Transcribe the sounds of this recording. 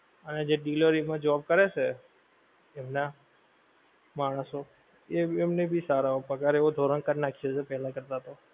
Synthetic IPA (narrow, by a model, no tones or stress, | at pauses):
əned͡ʒeɖiləɾimãd͡ʒəʋab̚kəɾet͡ʃʰe | emna | maɽ̃əso | eemnebʱisaɾaopəkaɾeod̪ʱoɾənkəɾnakʰijesepɛɦlãkəɾt̪at̪o